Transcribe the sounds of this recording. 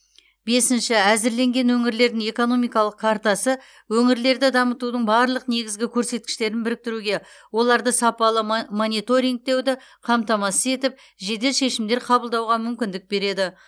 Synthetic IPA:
be̞sɪnʃɪæzɪɾle̞ŋɡʲe̞nwɵŋɪɾle̞ɾd̪ɪŋe̞ko̞no̞mijkɑlˠəq̚kʰɑɾt̪ɑsə | wɵŋɪɾle̞ɾd̪ɪd̪ɑmət̪ud̪əɴbɑɾlˠəqne̞ɡʲɪzɡʲɪkʲʰɵɾse̞t̪̚kʲɪ̥ʃt̪e̞ɾɪnbɪɾɪk̚t̪ɪɾuɡʲe̞ | wo̞lˠɑɾd̪əsɑpɑlˠəmonit̪o̞ɾiŋɡ̚t̪e̞wd̪ɪ | qʰɑmt̪ɑmɑsəze̞t̪ɪp̚ | ʒe̞d̪e̞lʃe̞ʃɪmd̪e̞ɾqʰɑbəlˠd̪ɑwʁɑmʏmkʲɪnd̪ɪk̚be̞ɾe̞d̪ɪ

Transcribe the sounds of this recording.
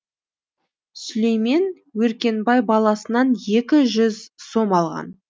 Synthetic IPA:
sʏle̞jme̞n | wɵɾkʲe̞nbɑjbɑlˠɑsənɑnje̞kʲɪʒʏzso̞mɑlˠʁɑ̰n

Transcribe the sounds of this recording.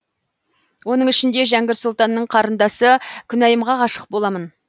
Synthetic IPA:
wo̞nəɴɪʃɪnd̪e̞ʒæŋɡʲɪɾsʊlˠt̪ɑnːəɴqʰɑɾənd̪ɑsəkʲʰʏnæjəmʁɑʁɑʃə̥q̚bo̞lˠɑmən

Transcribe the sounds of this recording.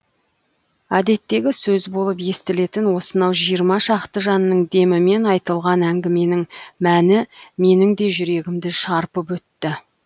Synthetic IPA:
æd̪e̞t̪ːe̞ɡʲɪsɵzbo̞lˠəp̬je̞st̪ɪle̞t̪ɪnwo̞sənɑwʒijəɾmɑʃɑqt̪əʒɑnəːəɴd̪e̞mɪme̞nɑjt̪əlˠʁɑnæŋɡʲɪme̞nɪŋmænɪme̞nɪŋd̪e̞ʒʏɾe̞ɡʲɪmd̪ɪʃɑɾpəpwɵt̪ːɪ

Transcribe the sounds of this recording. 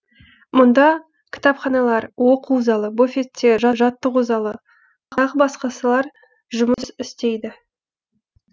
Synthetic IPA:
mʊnd̪ɑ | kʲʰɪ̥t̪ɑpχɑnɑlˠɑɾwo̞quzɑlˠəbo̞fʲet̪ːe̞ʒɑʒɑt̪ːəquzɑlˠə | qɑʁəbɑsqɑsəlˠɑɾ | ʒʊməsɪst̪e̞jd̪ɪ

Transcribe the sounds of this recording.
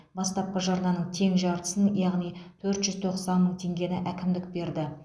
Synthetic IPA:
bɑst̪ɑp̚qɑʒɑɾlˠɑnəɴt̪ʰe̞ŋʒɑɾt̪ə̥sənjɑʁnijt̪ʰɵɾt̪ʒ̥ʏzt̪ʰo̞qsɑnməɴt̪ʰe̞ŋɡʲe̞nɪʔækʲɪmd̪ɪk̚be̞ɾd̪ɪ

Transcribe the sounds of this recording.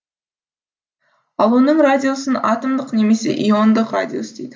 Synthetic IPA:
ɑlˠonəɴradʲio̞sənɑ̰t̪əmd̪əqne̞me̞se̞̰ʔiond̪əqra̰dʲio̞səd̪e̞jd̪ɪ

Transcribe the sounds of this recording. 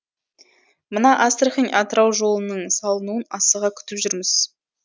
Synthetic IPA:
mənɑʔast̪rχinʲʔɑt̪əɾɑwʒo̞lˠənəɴsɑlˠənuənɑsəʁɑkʲʰʏ̥t̪ɪpʒʏɾmɪz̥

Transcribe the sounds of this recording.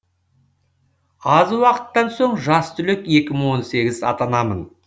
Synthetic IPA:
ɑzwɑqə̥t̪ːɑnso̞ɴʒɑst̪ʏlɪkje̞kʲɪməɴwo̞nse̞ɡʲɪzɑ̰t̪ɑnɑmən

